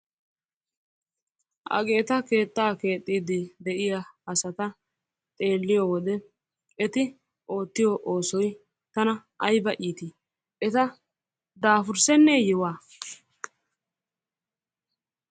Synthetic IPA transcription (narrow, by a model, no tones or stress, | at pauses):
ʔɐ̰ɡe̞ːt̪ɐke̞ːt̪ʼːaːke̞ːt̪ʼːiːd̪ɪd̪ɛʔɪjaɐsɐt̪ɐ | t̪ʼe̞ːlːɪjowɔd̪ɛ | ɛt̪ɪ | ʔo̞ːt̪ːɪjoʔo̞ːsɔj | t̪ɐnɐ | ɐjbɐʔiːt̪i | ɛt̪ɐ | d̪aːfʊɾsɛnːɛjɪwaː